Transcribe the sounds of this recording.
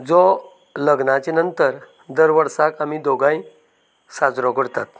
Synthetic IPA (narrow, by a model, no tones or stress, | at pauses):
d͡zo | ləɡnat͡ɕenənt̪əɾ | d̪əɾʋəɾsakam̤id̪oɡãĩ | sad͡zɾɔkəɽt̪at̪